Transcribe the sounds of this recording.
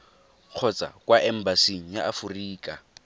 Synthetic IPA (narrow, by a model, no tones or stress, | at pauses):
q͡χʰɔt͡sʼa̰kʼwaʔɛm̩basiŋ̩jaʔːfuriːkʼa